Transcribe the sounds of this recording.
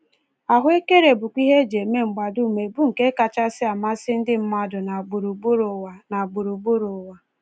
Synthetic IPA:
a˨ɦʊ˦e˦ke˦ɾe˨bʊ˨kʷi˦ɦe˦d͡ʒe˨me˦ŋ͡m̩˨ɡ͡ba˨du˦˨me˨bu˦ŋ̩˨ke˦ka˨t͡ʃa˦sɪ˦a˨ma˦sɪ˦n̩˦dɪ˦m̩˦ma˦dʊ˨na˨ɡ͡bu˨ɾu˨ɡ͡bu˦ɾo˨wa˨na˨ɡ͡bu˨ɾu˨ɡ͡bu˦ɾo˨wa˨

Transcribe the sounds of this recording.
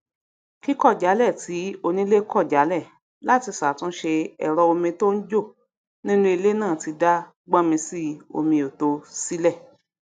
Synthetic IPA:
ki˦kɔ˦˨d͡ʒa˨˦lɛ˦˨ti˨˦o˧nĩ˦le˦kʰɔ˦˨d͡ʒa˨˦lɛ˦˨ | la˦ti˧sa˨tũ˨˦ʃe˧ɛ˨ɾɔ˧o˧mĩ˧to˦n̩˦d͡ʒo˦˨ | nĩ˦nũ˦i˧le˦nãː˦˨ti˧da˦ | ɡ͡bã˦mĩ˧si˦o̰˧mĩ˧o˨to˧si˦lɛ˦˨

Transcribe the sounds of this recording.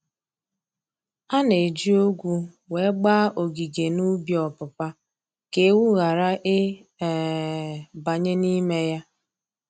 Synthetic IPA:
a˦ne˨d͡ʒi˦o˦ɡʷu˦ | we˨˦ɡ͡ba˦ʔo˨ɡi˨ɡe˨nu˦bjɔ˨pʊ˨pa˦ | ke˨˦wu˦ɣa˨ɾa˦ʔɪ˦˨ | ba˨ɲe˦ni˦me˦ja˦

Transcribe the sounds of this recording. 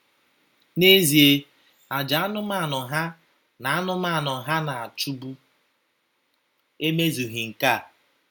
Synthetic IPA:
ne˦zi˨e˦ | a˨d͡ʒa˨a˦nʊ˦ma˦˨nʊ˨ɦa˦ | na˨a˦nʊ˦ma˦˨nʊ˨ɦa˦na˨a˨t͡ʃu˦bu˦ | e˦me˦zu˨ɦi˨ŋ̩˨ka˦˨

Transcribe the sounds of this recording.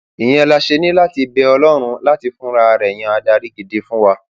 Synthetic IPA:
i˨j̃ɛ̃˦˧la˧ʃe˧nĩ˦la˦ti˧bɛ˧ɔ˧lɔ˦ɾ̃ũ˧la˦ti˧fũ˦ɾa˧ɾɛ˨j̃ã˧a˧da˧ɾi˦ɡi˧de˦fũ˦wa˧

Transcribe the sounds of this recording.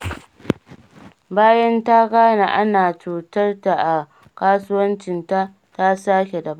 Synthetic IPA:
baː˦jɐ˦nta˦ɡaː˦na̰˨ʔa˦naː˨t͡ʃuː˨tɐ˦rta˨ʔa˨ | kaː˦sʊ˦wɐ˦nt͡ʃɪ˨nta˦ | ta˦saː˦kʲe˨dɐ˨ba˦˨

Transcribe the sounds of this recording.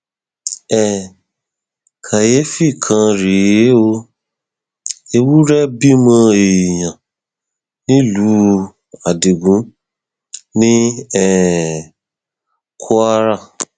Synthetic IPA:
ɛ˨ | kʰa˨je˨˦fi˦˨kʰã˧ɾi˨je˨˦o˧ | e˧wu˦ɾɛ˦bi˦mã˧e˨jã˨ | nĩ˦lu˨˦ | a˨di˨ɡũ˨˦ | nĩ˦ɛ˦˨ | kʰo˦a˦ɾa˦˨

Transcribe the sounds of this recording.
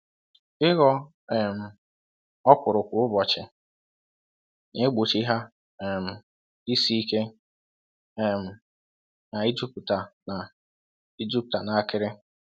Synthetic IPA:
ɪ˦ɣɔ˦ | ɛ˨m̩˨ | ɔ˦pʷʊ˨ɾʊ˨kʷʊ˨ʊ˦bɔ˨t͡ʃɪ˨ | nɪ˦ɡ͡bu˨t͡ʃi˦ɦa˦ | e˨m̩˨ | i˦si˦i˦ke˦ | ɛ˨m̩˨ | na˨i˦d͡ʒu˦pta˨na˨ | i˦d͡ʒi˦p̚ta˨na˨a˦kɪ˦ɾɪ˦

